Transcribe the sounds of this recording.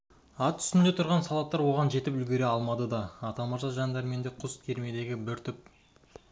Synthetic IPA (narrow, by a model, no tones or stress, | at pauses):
ɑt̪ʰʏ̥sɪnd̪e̞t̪ʰʊɾʁɑnsɑlˠɑp̚t̪ːɑɾwo̞ʁɑnʒe̞t̪ɪpʏlɡʲe̞ɾe̞ɑlˠmɑd̪əd̪ɑɑt̪ɑmɑʒɑʒɑnd̪ɑɾme̞nd̪eqʰʊskʲʰe̞ɾme̞d̪e̞ɡʲɪbɪɾt̪ʰʏp̚